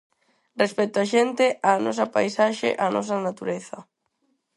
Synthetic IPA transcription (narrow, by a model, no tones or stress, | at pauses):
respɛt̪oaʃent̪eanɔs̬ɐpa̰jsaʃḛʔanɔ̰s̬ɐnat̪uɾeθɐ